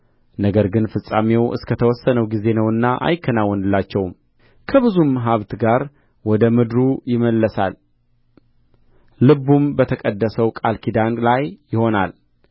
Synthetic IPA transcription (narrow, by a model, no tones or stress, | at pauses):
nəɡəɾɡɨnfɨsʼamewʔɨ̰skʰət̪ʰəwɔsːənəwɡize̞nəwɨnːaʔa̰jɪkʰːənawːɔnɨlːat͡ʃːɛwm | kʰəβɨzumaɦaβt̪ɡaɾ | wɔd̪əmɨd̪ɾujɪməlːəsa̰l | ɨbumbət̪ʰəkʼəd̪ːəsəwkʼalkʰid̪anlajːɪho̞na̰l